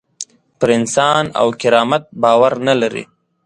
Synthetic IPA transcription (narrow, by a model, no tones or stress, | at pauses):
pəɾɪnsɑːna̰wkɪɾɑːmat̪̚bɑːwaɾnalaɾḭ